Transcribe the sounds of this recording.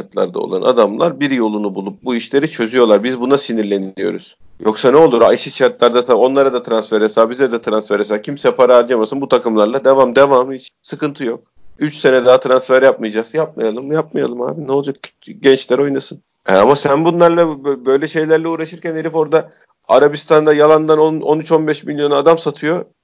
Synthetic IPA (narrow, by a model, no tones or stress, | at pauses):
t͡ʃat̪lˠa̰ɾd̪a̰o̰lˠa̰nʔa̰d̪amlˠaɾbiɾjo̞lˠunubulˠup̚buiʃlʲe̞ɾit͡ʃʰø̞zyjo̞lˠaɾbizbunasiniɾlʲe̞nijo̞̰ɾṵz̥ | jo̞ksanɛo̞lˠuɾa̰jʃɯt͡ʃʰaɾt̪lˠaɾd̪asao̞nlˠaɾad̪at̪ʰɾansfɛɾesaːbizɛd̪ɛt̪ʰɾansfæɾes̬aːcʰimsɛpʰaɾaːɾd͡ʒamasɯnbut̪ʰakɯmlˠaɾlˠad̪e̞vamd̪e̞vaːmɯit͡ʃsɯkɯnt̪ʰɯjo̞k̚yt͡ʃse̞nɛd̪aɦat̪ʰɾansfæɾjap̚mɯjad͡ʒaksjap̚majalˠɯmjap̚majalˠɯmha̰ːbinɛolˠd͡ʒak̚ʰ | ɟɛnt͡ʃlʲæɾo̞jnasɯn | ɛ̰a̰masænbunlˠaɾlˠabbø̞jlʲɛʃe̞jlʲæɾlʲɛuːɾaʃɯɾcɛneɾʲifo̞ɾd̪a | a̰ɾabist̪ʰand̪ajalˠand̪anononyt͡ʃo̞nbɛʃmilʲjo̞nad̪amsat̪ʰɯjo̞